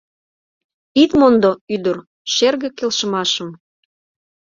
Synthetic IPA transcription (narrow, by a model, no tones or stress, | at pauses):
it̪mond̪oyd̪ər | ʃerɣĕkelʃə̆mɑʃə̆m